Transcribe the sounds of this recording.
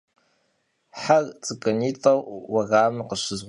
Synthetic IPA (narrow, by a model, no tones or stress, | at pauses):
ħart͡sʼɨkʼɐniːtʼɐwwɐɣaːmɨqəɕɪzʁ